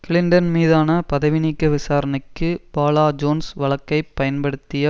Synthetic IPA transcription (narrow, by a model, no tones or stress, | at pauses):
kɪlɪɳɖɐnmiːðaːnɐpɐðɐʋɪnikːɐʋɪsaːɾɐnɐɪkːɯbaːlaːd͡ʒoːnsʋɐɭɐkːɐɪpːɐjɐnpɐɽɯt̪ːɪjɐ